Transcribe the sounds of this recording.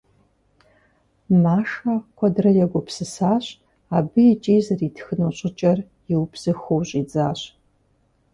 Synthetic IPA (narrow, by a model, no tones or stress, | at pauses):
maːʂɐkʷʰɔdrɐjɛɡʷʊpsɨsaːɕ | aːbɨjɛt͡ʃʼiːzɐriːtʰxɨnoːɕʼɪt͡ʃʼɐr | jɪwpz̥ɨxowɕʼiːd͡zaːɕ